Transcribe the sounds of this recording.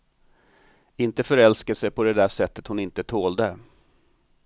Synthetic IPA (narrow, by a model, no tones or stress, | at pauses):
ɪnt̪əfœɾɛlskəsɛjpʰɔd̪ɛd̪æːʂɛt̪ːət̪hʊnɪnt̪ət̪ʰoːld̪ə